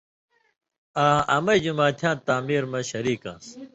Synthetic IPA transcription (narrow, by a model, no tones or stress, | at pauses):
ãːʔɐmɐjd͡ʑumaːt̪ʰjãːnt̪aːmiːɾmɐɕɐɾiːkã̰ːs